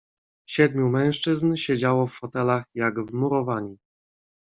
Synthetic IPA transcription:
ɕɛd̪̚mʲjumɛ̃w̃ʂt͡ʂɘznɕed͡ʑawɔfːɔt̪ɛlaxjaɡvmuɾɔvaɲi

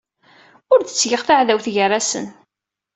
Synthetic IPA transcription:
ʊɾd̪ə̥t͡sːjəʁθaʕðæwθʝərːasə̰n

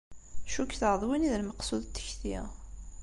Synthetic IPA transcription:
ʃukːθəʁðˤwiniðlməqsuðt̪ːə̥çθi

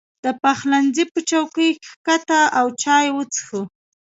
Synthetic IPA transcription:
d̪̥əpaxlanzipət͡ʃawkəjke̥xkat̪aʔawt͡ʃɑjwət͡sxə

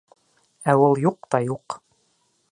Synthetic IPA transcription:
æwulˠjuq̚t̪ɑjuq

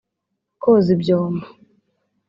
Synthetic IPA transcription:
kɔzibjɔːma

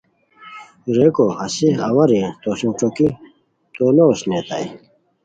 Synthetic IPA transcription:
ɾekoɐsiɐwɐɾẽt̪osũʈ͡ʂoki | t̪onoːsnet̪a̰j

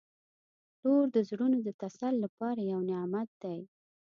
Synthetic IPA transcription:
loɾd̪əzɽunod̪ət̪asalːapɑɾajawnɪɑmat̪̚d̪aj

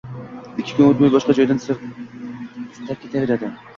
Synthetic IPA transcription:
ɪkʲʰːɪ̥kʰʊnot̪majbɒʃqɑd͡ʒɒjd̪ansɪɾ | ɪst̪ʰap̚kʲʰe̞t̪ʰave̞ɾad̪ɪ

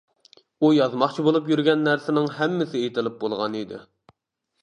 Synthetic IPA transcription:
ujɑzmɑχt͡ʃʰibolˠup̬jyɾɡʲɛnːæɾsɪnɪŋɦɛmːɪsɪet̪ɪlɪp̚bolˠʁɑnid̪ɪ̰

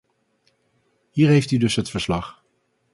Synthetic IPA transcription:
ɦiːɹɦejftydɵsɦətfəɹslɑχ

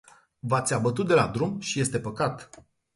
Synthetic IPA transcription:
vat̪sʲabət̪ut̪̚d̪e̞lad̪ɾumʃije̞st̪e̞pəkat̪

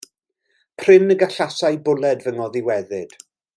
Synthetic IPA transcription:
pʰr̥ɪnəɡaɬasajbʊlˠɛdvəŋɔðɪwɛðɨd̥

